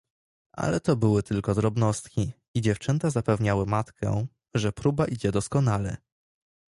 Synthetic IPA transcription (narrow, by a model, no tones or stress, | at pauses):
ʔa̰lɛt̪ɔbɘwɘt̪ɘlkɔd̪ɾɔbnɔst̪kʲi | id͡ʑɛft͡ʂɛnt̪azapɛvɲawɘmat̪kʰɛ̰ | ʐɛpɾubaʔid͡ʑɛd̪ɔskɔnalɛ̰